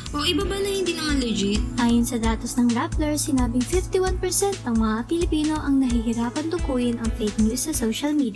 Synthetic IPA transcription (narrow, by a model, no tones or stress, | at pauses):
ʔoʔɪbabɐnɐhɪnd̪inɐŋɐlɛd͡ʒit̪ʔaːjʊnsɐd̪aːt̪ɐsnɐŋɾaplɛɹsɪnaːbɪŋfɪft̪iwanpɛɹsɛnt̪̚nɐŋmɐŋapɪlɪpiːno̞ʔɐŋnɐɦɪɦɪɾaːpɐnd̪ʊkuːjɪnɐŋfet̪̚njuːsːɐsowʃɐlmiːd̪